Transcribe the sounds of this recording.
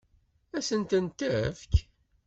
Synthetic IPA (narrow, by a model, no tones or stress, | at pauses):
æsənt̪ənt̪ːəfk